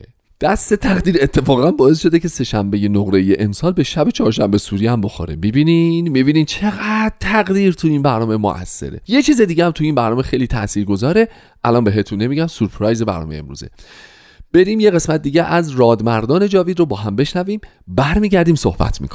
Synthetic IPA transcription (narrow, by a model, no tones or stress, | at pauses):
d̪̥æst̪e̞t̪ʰæʁd̪iːɾe̞t̪ʰːe̞fɒːɣænbɒːes̬ʃo̞d̪e̞cʰe̞se̞ʃæmbe̞je̞noɣɾe̞jeʔemsɒːlbe̞ʃæbe̞t͡ʃʰɒːɾʃæmbesuːɾihæmbo̞xo̰ɾemibiːninmibiːniːnt͡ʃʰeɣæd̪t̪ʰæɣdiːɾt̪ʰuinbæɾnɒːmemo̰ʔæ̰sːe̞̰ɾe̞̰je̞t͡ʃʰiːze̞d̪iːɟehæmt̪ʰuiːnbæɾnɒːme̞xejliːt̪ʰæʔsiːɾɡo̞zɒːɾe̞ | ʔælɒːnbe̞ɦe̞t̪ʰunːe̞miɟæmsuɾpʰɾɒjze̞bæ̰ɾnɒ̰ːejḛmɾṵːzḛ | b̥e̞ɾiːmje̞ɣe̞smæt̪̚d̪iːɟeʔæzɾɒːd̪mæɾd̪ɒːne̞d͡ʒɒːvid̪ɾobɒːɦæmbe̞ʃnæviːm | bæɾmiːɟæɾd̪iːmso̰hbæ̰t̪ʰmḭkʰo̥i